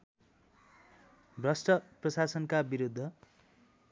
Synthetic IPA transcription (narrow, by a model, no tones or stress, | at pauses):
brʌsʈʌprʌsasʌnkabiɾud̪ʱːʌ